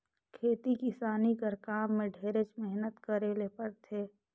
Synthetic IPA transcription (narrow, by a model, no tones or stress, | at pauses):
kʰeːt̪ikɪsaːnikəɾkaːmːẽɖʱeːɾet͡ʃmɛɦnət̪kəɾeːlepəɽt̪ʰeː